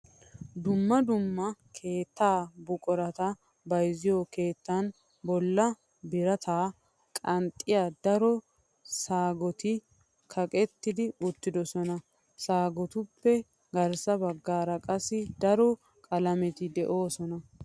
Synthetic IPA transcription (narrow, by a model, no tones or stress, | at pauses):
d̪ʊmːɐd̪ʊmːɐkʰe̞ːt̪ːaːbʊkʼɔɾɐt̪ɐ | bɐjzɪjoke̞ːt̪ːɐn | bɔlːɐ | bɪɾɐt̪ʰaː | kʼɐnt̪ʼːɪjad̪ɐɾɔ | saːɡɔt̪ɪ | kʰɐkʼɛt̪ːɪd̪ɪʊt̪ːɪd̪ɔsɔnɐ | saːɡɔt̪ʊpːɛ | ɡɐɾsɐbɐɡːaːɾɐkʼɐsːɪd̪ɐɾɔ | kʼɐlɐmɛt̪ɪd̪ɛʔo̞ːsɔnɐ